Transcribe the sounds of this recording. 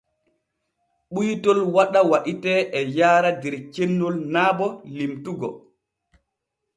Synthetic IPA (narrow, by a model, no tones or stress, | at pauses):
ɓujtɔlwaɗawaɗitɛʔɛjaːɾadɛɾt͡ʃenːɔlnaːbɔlimtuɡɔ̰